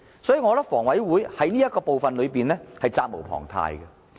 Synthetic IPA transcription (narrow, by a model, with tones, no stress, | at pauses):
sɔː˨˥jiː˧ŋɔː˨˧lɐ˥fɔː˨˩ŋwɐ˨˥jwuː˨˥jhɐ˨˥jniː˥jɐt̚kːɔː˧po˨wfɐ˨nlɵ˨˧piː˨nlɛː˥hɐ˨jt͡saː˧k̚mo˨˩wpʰɔ̰ː˨˩ŋt̪ʰa̰ː˨˧jɡɐ˧